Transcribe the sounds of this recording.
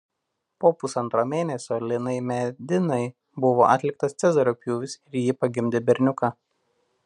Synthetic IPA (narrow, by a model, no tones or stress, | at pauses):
poːpʊsɐnt̪ɾoːmʲeːnʲɛsʲoːlʲɪnɐɪmʲɛd̪ʲɪnɐɪ | bʊʋo̰ːʔɐt̪ʲlʲɪk̚t̪ɐst̪sʲɛzɐɾʲoːpʲjuːʋʲɪsɪɾʲjɪpɐɡʲɪmʲd̪ʲebʲɛɾʲnʲʊkɑ